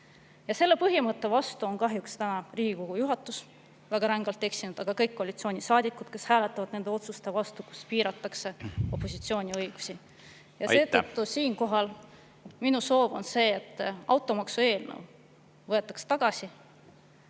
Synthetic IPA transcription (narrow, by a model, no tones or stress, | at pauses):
jɑse̞lːe̞pɤɦimɤt̪ːe̞vɑst̪uo̞nkɑɦjukst̪ænɑriːɡ̥ʲikoɡ̥ujuɦɑt̪ːˑus | væɡ̥ɑɾɑŋɡ̥ɑlt̪ːe̞ksinud̪̥ɑɡ̥ɑkɤjkːoɑlʲit̪sio̞ːnʲisɑːd̪̥ʲikːˑud̪̥ke̞shæːlet̪ːˑɑvɑd̥̪ne̞nd̪e̞o̞t̪sust̪evɑst̪uku̥spiːɾɑt̪ːˑɑkse̞o̞pːˑo̞sit̪sio̞ːnʲiɤjɡ̥u̥si | jɑse̞ːt̪ɤt̪ːusiːnko̞ɦɑl | minuso̞ːvo̞̰nse̞ːt̪ˑːɑwt̪ːˑo̞mɑksue̞ːlnḛw | vɤe̞t̪ːˑɑkse̥t̪ɑɡ̥ɑsi